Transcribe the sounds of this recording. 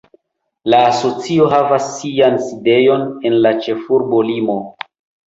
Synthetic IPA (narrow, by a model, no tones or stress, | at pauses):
laːso̞t͡sio̞ɦavasːianside̞jo̞ne̞nlat͡ʃe̞fuɾbo̞limo̞